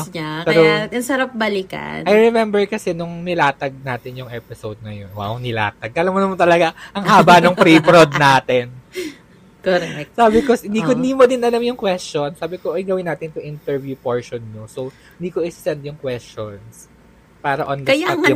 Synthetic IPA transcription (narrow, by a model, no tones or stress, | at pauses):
pɛːɾoɪsɐɾap̚bɐlikɐ̰nʔɐjɹɛmɛmbɛɹkɐsɛnʊŋnɪlaːt̪ɐɡ̚naːt̪ɪnjʊŋʔɛpɪsowd̪̚ŋɐjonwa̰wnɪla̰ːt̪ɐɡ̚ɐlamːonɐmɐnt̪ɐlɐɡaʔɐŋɦaːbanoŋpɾipɾod̪̚naːt̪ɪn | koɾɛsaːbɪkohɪnd̪iːkoɪnd̪iːmod̪ɪnɐlamjʊŋkwɛst͡ʃonsaːbɪkoʔɐjɡɐwɪnːaːt̪ɪnt̪ʊŋʔint̪ɛɹvjupoɹʃonɲosow | hɪnd̪iːkoɪsɛnd̪̚jʊŋkwɛst͡ʃons | paːɾɐʔond̪kɐjaɐ